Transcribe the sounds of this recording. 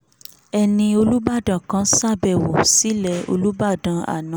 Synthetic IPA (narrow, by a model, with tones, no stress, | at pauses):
ɛ˧nĩ˧o˧lu˦ba˦˨dã˨kã˨˦sa˦˨bɛ˦˨wo˨si˨˦lɛ˦˨o̰˧lu˦ba˦˨dã˨˧a̰˨nã˨˦